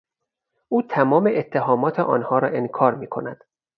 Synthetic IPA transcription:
ʔuːt̪ʰæmɒːmeʔet̪ʰːe̞ɦɒːmɒːt̪ʰeʔɒ̰ːnhɒːɾɒːʔenkʰɒːɾmiːkʰo̞̰næd̪̥

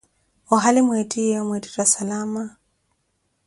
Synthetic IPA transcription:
ɔɦalimwɛtiɔmwɛti̥twasalama

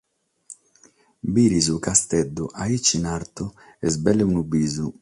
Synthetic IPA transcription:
biɾizukast̪ɛd̪ːuʔait͡ʃːinaɾt̪u | ɛzbɛlːeunubiːzu

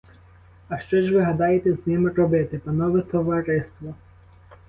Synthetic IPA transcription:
ɐʃt͡ʃɔʒʋɪɦɐd̪ɑjet̪ɛznɪmɪrɔbɪt̪ɪpɐnɔʋɪt̪ɔʋɐɾɪst̪ʋɔ

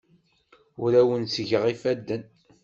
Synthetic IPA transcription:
ʊɾæwənsʝəʁifæd̪ːən

